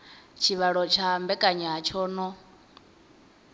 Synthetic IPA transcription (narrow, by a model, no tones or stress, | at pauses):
t͡ʃʰiβaɺɔt͡ʃʰambɛkʼaɲaɦat͡ʃʰɔːnɔ